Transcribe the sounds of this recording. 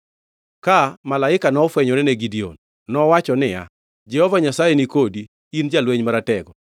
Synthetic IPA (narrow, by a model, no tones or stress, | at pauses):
kamalaɪkanɔfwɛɲɔɾɛneɡidio̰nː | ɔwat͡ʃɔnɪja̰ | d͡ʒɛhɔvaɲasajenikodiː | nd͡ʒalweɲmaɾatɛɡɔ